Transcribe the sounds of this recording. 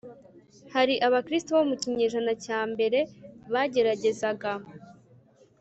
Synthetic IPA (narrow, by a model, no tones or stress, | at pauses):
haɾiʔaβakɾistoβomuciɲeʒanacaːmbe̞ɾe̞βaːɟe̞ɾaɟe̞zaɡa